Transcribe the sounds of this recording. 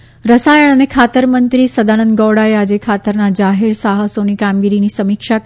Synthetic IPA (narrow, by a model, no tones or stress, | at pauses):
ɾəsajəɳ̃ənekʰat̪əɾmənt̪ɾisəd̪anə̃nd̪̚ɡɔʋɽaead͡ʒekʰat̪əɾnad͡ʒaɦeɾsaɦəsonikamɡiɾinisəmikʃa